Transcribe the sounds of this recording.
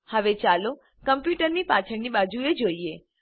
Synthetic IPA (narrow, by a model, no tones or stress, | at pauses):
həʋet͡ʃalo | kəmpjuʈəɾnipat͡ʃʰəɳnibad͡ʒued͡ʒoie